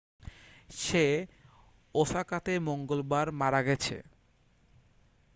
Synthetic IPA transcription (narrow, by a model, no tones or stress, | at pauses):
ʃe | oʃakat̪emoŋɡolbaɾmaɾaɡɛt͡ɕʰḛ